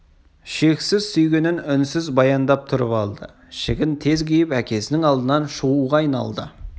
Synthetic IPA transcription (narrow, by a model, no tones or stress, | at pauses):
ʃe̞ksɪzsʏjɡʲenɪnʏnsɪzbɑjɑnd̪ɑp̚t̪ʰʊɾəpɑlˠd̪ə̰ | ʃɪɡʲɪnt̪ʰe̞zɡʲejɪpækʲe̞sɪnɪŋɑlˠd̪ənɑnʃuʁuʁɑɑjnɑ̰lˠd̪ə